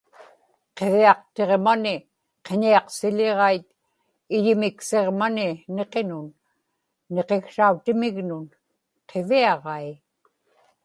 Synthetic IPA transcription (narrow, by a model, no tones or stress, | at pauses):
qe̞viɑq̚t̪e̞ʁmanɪ | qeɲiɑqsɪʎeʁɑit̪ | ɪʎɪmɪkse̞ʁmanɪne̞qe̞nʊnː | e̞qe̞xsaut̪ɪmɪɣnʊn | qʰe̞viɑʁɑi